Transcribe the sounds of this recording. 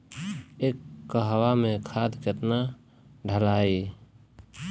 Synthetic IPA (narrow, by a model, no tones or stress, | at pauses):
ekːəɦwamẽkʰad̪ket̪na | ɖʱəlai